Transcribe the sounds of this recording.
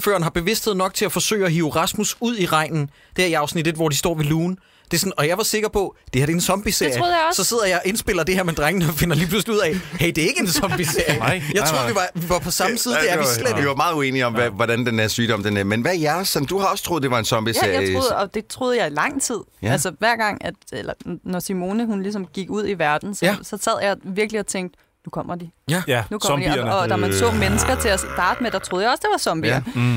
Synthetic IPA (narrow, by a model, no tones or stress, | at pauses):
fø̰ːɐnɦɑ̈b̥e̝ʋe̝sd̥heð̰ˠnɒ̽ɡ̥̚t͡sʰe̝æfɒ̽sø̰ːɪɒɦḭːo̝ʁɑ̈smusuð̰ˠiʁɑ̈ɪ̰nn̩ | d̥eæɐiɑ̈ʊsnid̥e̝d̥ʋɒ̰d̥isd̥ɒ̰ːʋiluːn̩ | d̥e̝sɔnɒ̽jɑ̈ɪʋɑ̈se̝ɡ̥ɐpʰɒ̽d̥e̝hæɐd̥e̝ensɒ̽mb̥ise̝ɐ̰joð̩ˠjsɒ̽se̝ð̞̰ˠɐjɑ̈ɪʔe̝nsb̥e̝l̰ɐd̥e̝hæɐmed̥ʁaŋnəɒfe̝nɐliːpʰlusliuð̰ˠɛheɪd̥e̝æɐe̝ɡ̥əe̝nsɒ̽mb̥ise̝ɐ̰jəjɑ̈ɪt͡sʰʁo̝̰ʋiʋɑ̈ʋiʋɑ̈pʰɒ̽sɑ̈məsiːð̩ˠjæʋislediʋɑ̈mɑ̈ːð̞̩ˠue̝̰ːniɒ̽mʋæʋɒd̥ænd̥enæɐsyːd̥ɒ̽m̰d̥enmenʋæjæɐsɛnd̥uhɑ̈ɒ̽sə̥t͡sʰʁo̝ːð̞ˠd̥e̝ʋɑ̈e̝nsɒ̽mb̥ijḛɐjɑɪjʁo̝ɒ̽d̥e̝t͡sʰʁo̝ːð̞̩ˠjɑ̈ɪilɑ̈ŋ̰t͡sʰið̞̰ˠælsɐʋæɐ̰ɡ̥ɑ̈ŋ̰æd̥elɐnɒsimo̝ːnəhunlis̬ɒ̽mɡ̥iɡ̥uð̞̰ˠiʋæɐd̥n̩sɒsɒ̽sæð̰ˠjɑ̈ɪʋiɐɡ̥liɒ̽t͡sʰeŋ̰ɡd̥ | nukʰɒ̽m̰ʔɐd̥inukʰɒɐ̥iɒɒ̽d̥æmæsɔ̰ːmenəsɡ̥ɐt͡sʰe̝æsd̥ɑ̈ːd̥əmed̥ɑ̈t͡sʰʁoðˠjɑɒ̽sd̥e̝ʋɑ̈sɒ̽mb̥iɐ